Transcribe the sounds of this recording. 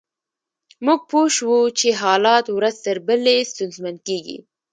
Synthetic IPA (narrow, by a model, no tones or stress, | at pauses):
muɡ̚poʃwut͡ʃeɦɑlɑt̪wɾazt̪əɾbəlest̪ʊnzmankeɡḭ